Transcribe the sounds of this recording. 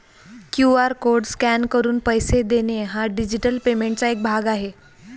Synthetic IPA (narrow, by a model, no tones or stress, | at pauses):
kjuaɾkoɾɖskænkəɾuːnpəjsed̪eneɦaɖid͡ʑiʈəlpemeɳʈ̚t͡saek̚bʱaɡaɦe